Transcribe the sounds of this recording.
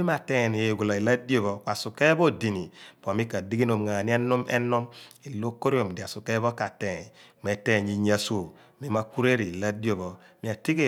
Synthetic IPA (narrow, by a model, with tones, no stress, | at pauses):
i˦ma˨te˦˨ni˨e˨ɡu˨la˨i˨la˦di˦o˦βɔ˨kwa˨su˨ke˦bo˦˨di˨ni˨pmi˦ka˨di˦ɡi˦no˨mŋa˨a˨ni˦a˦nu˦mḛ˦nu˦mi˨lo˦ko˦ɾi˦o˨m˨di˨a˨su˨ke˦βo˦ka˨te˨m˨e˨te˦˨ɲi˨ɲa˦so˨ | mi˦ma˦ku˦ɾe˦ɾi˨la˦di˦o˦βo˨ | mi˨a˨ti˦ke˦˨